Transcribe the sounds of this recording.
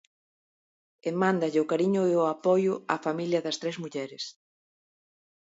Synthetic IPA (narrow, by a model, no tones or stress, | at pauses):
emãnd̪ɐʎɪʊkaɾiɲʊeʊapɔjʊafamiljɐðɐst̪ɾezmuʎɛɾɪs